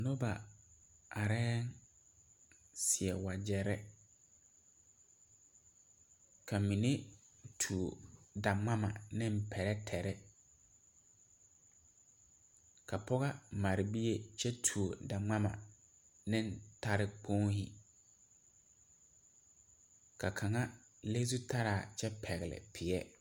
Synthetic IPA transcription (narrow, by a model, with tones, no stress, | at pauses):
nʊ˦ba̰˨ | a˨ɾɛː˦n | sɪ˨ɛ˨wa˨d͡ʑɛ˨ɾɛ˦ | kʰa˨mĩ˨ne˦tʰu˨o˨da˨ŋ͡mã˦mã˨nɪ̃˦m̩˨pʰɛ˨ɾɛ˦tʰɛ˨ɾɛ˦ | kʰa˨pʰɔ˦ɣa˦ma˨ɾɪ˨bi˦je˦t͡ʃɛ˦tʰu˨o˨da˨ŋ͡ma˦ma̰˨ | nɪ̃˦n˦ta˦ɾɪ˦k͡pʰo˦ŋhi˦ | kʰa˨kʰa˨ŋa˦ | le˦s̬u˦tʰa˦ɾaː˨t͡ʃɛ˦pʰɛ˨ɣɪ˨lɪ̰˨pʰɪ˨ɛ˦